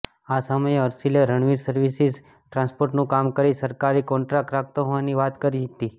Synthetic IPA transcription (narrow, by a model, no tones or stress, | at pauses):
asəməjeəɾsileɾəɳʋiɾsəɾʋisiz | ʈɾãnspoɾʈnũkamkəɾisəɾkaɾikɔ̃ɳʈɾak̚ʈɾak̚ʰt̪oɦoʋaniʋat̪kəɾid͡ʒit̪i